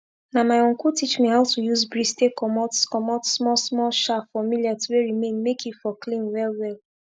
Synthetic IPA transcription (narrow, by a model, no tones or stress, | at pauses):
namaɪõnkutit͡ʃmihaʊtujuzbɹistekɔmɔtskɔmɔtsmɔsmɔʃafamiliatuweɹimẽnmekʰifɔklĩnwɛlwɛl